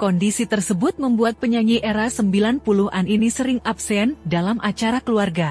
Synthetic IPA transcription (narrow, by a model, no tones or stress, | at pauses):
kɔndisit̪ərsəbʊt̪̚məmbuat̪̚pəɲaŋiʔɛɾasəmbilanpuluɦaninisəɾɪŋap̚sɛndalamʔat͡ʃaɾakəluarɡa